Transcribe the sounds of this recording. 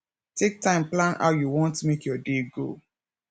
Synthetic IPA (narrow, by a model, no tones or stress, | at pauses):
tʰek̚tãɪ̃mplãnha̰ʊjuwɔ̃ntmekjɔdeɡo̰